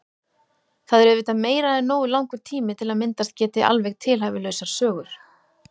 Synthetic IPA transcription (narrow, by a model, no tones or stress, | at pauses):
θaðɛɾʏðvɪːt̪ameːjɾaɛnːoːwʏlawŋkʏɾ̥t̪ʰiːmɪt̪ʰɪlaðmɪnt̪ast̪̚cɛːt̪ɪʔa̰lvɛɣt̪ʰɪlɦajvɪlœɥsaɾ̥sœːɣʏɾ̥